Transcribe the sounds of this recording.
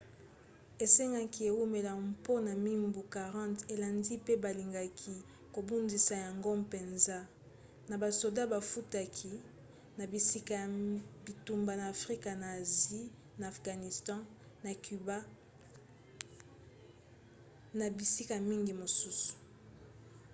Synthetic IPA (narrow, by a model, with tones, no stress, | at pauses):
e˨se˦ŋɡa˦ki˨e˨wu˦me˨la˨po˦na˨mi˦mbu˨ka˨ʁɑ̃˦nte˨la˨ndi˦pe˦ba˨li˨ŋɡa˨kʰi˨ | ko˨bu˦ndi˨sa˨ja˨ŋɡo˦mpe˨nza˦ | na˨ba˨so˨da˦ba˨fu˦ta˨kʰi˨ | na˨bi˨si˦ka˨a˨bi˨tu˨mba˨naː˨fʁi˦ka˨na˨zi˦ | naː˨fɡa˨ni˨stɑ̃˦ | na˨ky˨ba˦ | na˨bi˨si˦ka˨mi˦ŋɡi˨mo˨su˦su̥˨